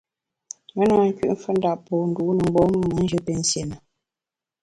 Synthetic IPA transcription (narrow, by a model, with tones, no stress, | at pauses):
mə˨˦na˨˦ŋ̩˦kḭ˦ʔɱ̩˦fə˦n̩˦da˨ʔpɔ˨n̩˨du˨˦nə˨ŋ͡m̩˦ɡ͡bɔː˦mə˦mə˨˦n̩˦d͡ʒə˦pe˦n̩˦sje˨mə˨